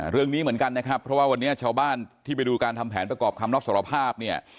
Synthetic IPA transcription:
ɾɯ˥˩əŋniː˦˥mɯ˩˦nka˧nːa˦˥kʰɾa˦˥pʰːɾɔ˦˥waː˥˩wa˧nːiː˦˥ɐt͡ɕʰaː˧wbaː˥˩nt̪ʰiː˥˩p̬a˧jduː˧kaː˧nt̪ʰa˧mpʰɛː˩˦npɾa˧kɔː˨˩p̚kʰa˧mɾa˦˥p̚so˩˦˥ɾa˧pʰaː˥˩p̚ni˥˩ɐ

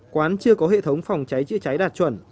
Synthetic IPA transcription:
kwaː˨˦nt͡ɕɨ˧əkɔ˨˦ɦḛ˧˨t̪ʰə˨˦wŋ͡mfa˨˩wŋ͡mt͡ɕa˨˦jt͡ɕɨ̰˧˥ət͡ɕa˨˦jɗaː˨˩t̚t͡ɕwə̰˧˩n

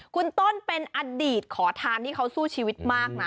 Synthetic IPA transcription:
kʰu˧nt̪o˥˩npe˧nʔa˧diː˨˩t̪̚kʰɔː˩˦t̪ʰaː˧nt̪ʰiː˥˩kʰa˦˥wsuː˥˩t͡ɕʰiː˧wi˦˥t̪̚maː˥˩k̚na˦

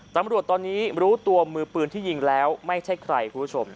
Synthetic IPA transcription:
t̪a˧mɾu˨˩ət̪ːɔː˧nːiː˦˥ɾuː˦˥t̪u˧əmɯː˧pɯː˧nt̪ʰiː˥˩ji˧ŋlɛː˦˥wma˥˩jt͡ɕʰa˥˩jkʰɾa˧jkʰuː˧nbʰu˦˥t͡ɕʰo˧m

